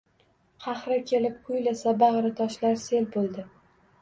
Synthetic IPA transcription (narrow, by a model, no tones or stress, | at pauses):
qʰɑχɾakʲʰe̞lɪp̚qʰʊjlasabɑʁɾɪt̪ʰɒʃlaɾse̞lbolˠd̪ɪ